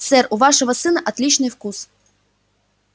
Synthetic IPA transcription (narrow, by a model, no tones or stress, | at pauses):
t̪sɛruʋɑʂɔɦɔsɨnɐʔɐt̪ʲlʲit͡ʃnɪjwkus